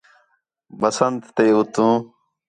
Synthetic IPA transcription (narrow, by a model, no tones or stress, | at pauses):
bəsənt̪ːeːʊt̪ũː